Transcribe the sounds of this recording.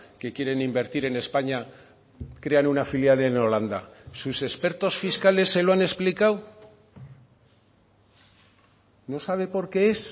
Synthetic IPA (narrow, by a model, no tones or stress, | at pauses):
ke̞kje̞ɾe̞nimbe̞ɾt̪iɾe̞ne̞spaɲa | kɾe̞anunafiljaleno̞land̪a̰suse̞spe̞ɾt̪o̞sfiskale̞sːe̞loane̞splikaw | no̞saβ̞e̞po̞ɾke̞es